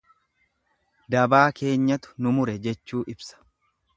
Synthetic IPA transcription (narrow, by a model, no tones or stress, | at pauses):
d̪ɐbaːkʰe̞ːɲːɐt̪ʊ̥nʊmʊɾɛd͡ʒɛt͡ʃːuːʔɪbsɐ̥